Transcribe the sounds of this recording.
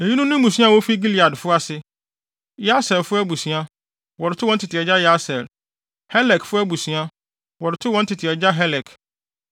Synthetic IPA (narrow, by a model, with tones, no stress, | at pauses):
e˨ɲĩ˦nʊ̃˦nʊ̃˦m˦mũ˨s̬ĩ˦ã˦˨wɔ˦fi˦ɡi˦li˨a˨dfʊ˦a˨sɪ˦ | ja˦sɛ˨lfʊ˦æ˦bu˨sĩ˨˦a˦ | wɔ˨ɾɪ˨tʰʊ˦wɔ̃˦n̩˦tʰɪ˨tʰɪ˨ɛ˨d͡ʑa˦ja˦sɛ˨l | hɛ˦lɛ˨kfʊ˦æ˦bu˨sĩ˨˦a˦ | wɔ˨ɾɪ˨tʰʊ˦wɔ̃˦n̩˦tʰɪ˨tʰɪ˨ɛ˨d͡ʑa˦ɦɛ˦lɛ˨kʰ